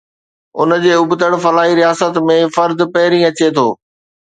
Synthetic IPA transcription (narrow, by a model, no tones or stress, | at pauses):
ʊ̰nd͡ʑeːʊbt̪əɽfɐlaːɦiɾijaːsət̪mẽfɐɾd̪pɐɦɪɾĩɐt͡ɕet̪ʰoː